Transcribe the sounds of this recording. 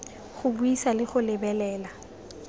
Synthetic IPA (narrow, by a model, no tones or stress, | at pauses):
χʊbuisalɪχʊlɪbɛlɛːla